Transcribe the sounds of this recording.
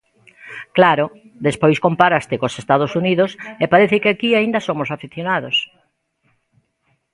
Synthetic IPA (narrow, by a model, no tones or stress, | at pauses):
klaɾo | d̪espojskompaɾast̪ɪkosest̪að̞osuniðosepaɾeθɪkɪakiaind̪asomʊsafiθjonaðos